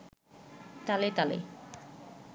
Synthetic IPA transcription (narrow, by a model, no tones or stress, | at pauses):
t̪alet̪alḛ